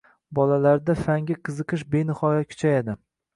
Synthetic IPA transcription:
bɒlalaɾd̪afaŋɡʲaqʰɨzɨqʰɨʃbe̞nɪhɒjakʲʰʊ̥t͡ʃʰajad̪ɪ

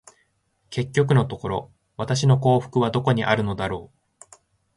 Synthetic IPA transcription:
ke̞kʲːo̞k̬ɯ̟no̞t̪o̞ko̞ɾo̞̰ | β̞at̪aɕ̬ino̞ko̞ːɸɯ̟̥kɯ̟β̞ad̪o̞ko̞ɲ̟iʔaɾɯ̟no̞d̪aɾo̞ː

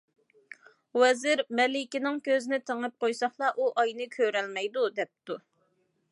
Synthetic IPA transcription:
wɛzɪɾmɛlɪkʲinɪŋkʲʰøznɪt̪ʰeŋɨp̚qʰojsɑχlˠɑʔuʔɑjnɨkʲʰøɾɛlmɛjd̪ud̪ɛp̚t̪u

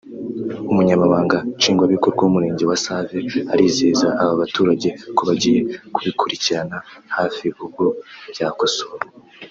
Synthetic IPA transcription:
umuɲamaβaːŋɡat͡ʃiːŋɡwaβikoɾɡwaumuɾe̞ːɲɟe̞wasave̞aɾiːzeːzaʔaβaβatuːɾaɟe̞koβaɟije̞kuβikʰuɾiciɾanahaːfiβubɡoβjakosoɾo

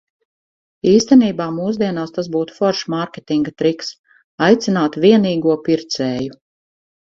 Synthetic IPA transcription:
iːst̪ɛniːbaːmuːzd̪iɛnaːst̪as̬buːt̪u̥fɔɾʃmaɾkʲet̪iŋɡat̪ɾiks | ajt̪sinaːt̪vʲiɛniːɡuɔpiɾt̪sɛːju

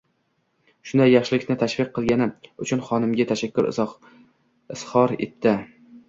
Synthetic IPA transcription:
ʃʊnd̪ajːɑχʃɪlɪkʲnɪt̪ʰaʃvɪqʰːɨlˠɡʲanɪʊt͡ʃʰʊnχɒnɪmɡʲat̪ʰaʃakʲʰːʊɾɪ̰ | ɪshɒɾḛt̪ʰːɪ

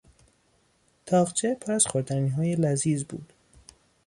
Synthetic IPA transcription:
t̪ʰɒːʁt͡ʃʰepʰoɾæz̥xoɾd̪æniːɦɒːjelæziːzbṵːd̪̥

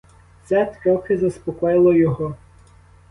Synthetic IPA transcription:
sɛt̪ɾɔxɪzɐspɔkɔjɪlˠɔjɔɦɔ

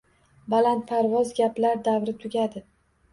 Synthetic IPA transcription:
balant̪̚pʰaɾvɒzɡʲaplaɾd̪avɾɪt̪ʰʊɡʲad̪ɪ

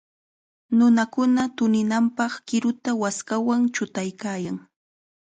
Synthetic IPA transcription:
nʊnakʊnat̪ʊnɪnampɑχkɪɾʊt̪awaskawaŋt͡ʃʊt̪ajkaːjaŋ

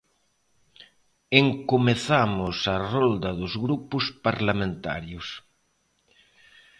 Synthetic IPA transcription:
eŋkomeθamʊsarɔld̪ɐðʊzɣɾupʊspaɾlamẽnt̪a̰ɾjʊs

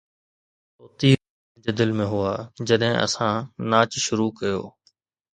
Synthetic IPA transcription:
toːt̪iː | d͡ʑeːd̪ɪlmẽːɦʊaːd͡ʑɐɗɦɪ̃ʔə̰sãnaːt͡ʃʃʊɾuːkɐjo̰ː

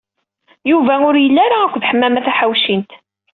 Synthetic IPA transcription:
juvæʊɾjəlːæɾaækʷːðħəmːæmæθæħawʃint̪

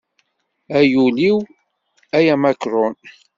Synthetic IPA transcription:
æjuliw | æjæmakɾɔn

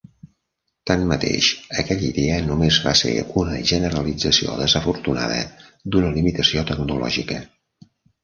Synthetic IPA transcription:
t̪anmət̪ḛʃəkɛʎiðeənumezβasḛunəʒənəɾəlid͡zəsioðəzəfuɾt̪una̰ð̞ə̰d̪unəlimit̪əsiot̪əɡnulɔ̰ʒikə

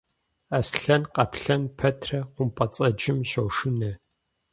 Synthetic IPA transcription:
ɐsɬɐnqɐpɬɐnpʰɐtʰrɐqʷʊmpʼɐt͡sʼɐd͡ʒɪmɕɐwʂɨnɐ

